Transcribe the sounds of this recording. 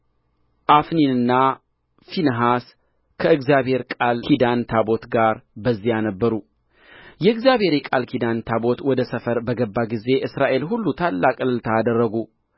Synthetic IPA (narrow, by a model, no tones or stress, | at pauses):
ʔafninɨnːa | finəɦas | kʰəɨɡzjabhe̞ɾkʼalkʰid̪ant̪ʰabo̞t̪ɡaɾbəzːijanəbːəɾu | jɛɨɡzjabhe̞ɾikʼalkʰid̪ant̪ʰabo̞t̪wɔd̪əsəfəɾbəɡəbːaɡize̞ʔɨsɾaʔe̞lɦulːut̪ʰalːakʼɨlɨlt̪ʰaːd̪ərːəɡu